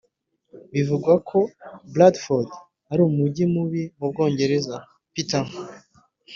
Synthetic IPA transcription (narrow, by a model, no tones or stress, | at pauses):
βivuɡwakʰo̞bladfoɾd | aɾuːmuɟimuβimub̚ɡo̞ːɲɟe̞ɾe̞za | pita